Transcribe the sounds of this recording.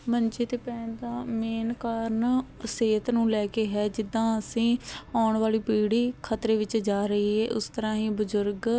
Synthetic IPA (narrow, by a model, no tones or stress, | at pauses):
məɲt͡ʃeːt̪eːpɛ̃ːnd̪aːmeːnkaːɾn | seːt̪nũːlɛːkeːɦɛːd͡ʒɪd̪ːãːəsĩːaːɳʋaːliːpiːɽiːkʰət̪ɾeːʋɪt͡ʃd͡ʒaːɾəɦiːɦɛːʔʊst̪əɾãːɦĩːbʊzʊɾɡ